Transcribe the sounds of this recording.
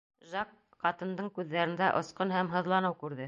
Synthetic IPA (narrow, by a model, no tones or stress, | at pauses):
ʒɑq | qɑt̪ɤ̆nd̪ɤɴkʉðːæɾɘ̆nd̪æʔŏsqɤnɦæmɦɤ̆ðlˠɑnɤwkʉɾðɘ